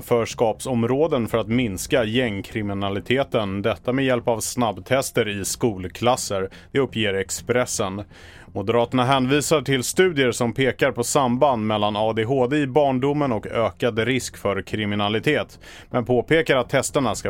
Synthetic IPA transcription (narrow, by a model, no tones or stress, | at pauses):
fœːʂkɑːpsɔmɾoːd̪ənfœɾat̪mɪnskajɛŋːkʰɾɪmɪnalɪt̪ʰeːt̪ənd̪ɛt̪ːamɛjɛlpavsnabːt̪ʰɛst̪əɾɪskuːlkʰlasːəɾ | d̪̥ɛɵpːjeːɾɛkspɾɛsːən | mʊd̪əɾɑːt̪əɳaɦɛːnviːsaʈʰɪlst̪ʉ̟ːd̪ɪəʂɔmpʰeːkaɾpʰɔsamband̪mɛlːanɑːd̪eɦoːd̪eɪbɑːɳɖʊmːənɔkøːkad̪ɾɪskfœɾkʰɾɪmɪnalɪt̪ʰeːt̪ | mɛnpʰoːpʰeːkaɾat̪ʰːɛst̪əɳaska